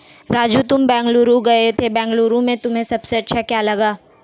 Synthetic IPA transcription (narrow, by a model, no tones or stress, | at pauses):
ɾaːd͡ʒuːt̪ʊmbɛ̃ːŋɡluːɾuɡɐet̪ʰebɛ̃ːŋɡluːɾũmẽt̪ʊmɦẽsɐbseɐtːʃʰakjaːlɐɡaː